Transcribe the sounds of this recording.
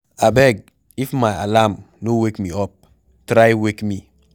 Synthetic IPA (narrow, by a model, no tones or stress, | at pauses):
abɛɡ̚ | ifmajalam | nowekmiɔp̚ | tɾajwekmi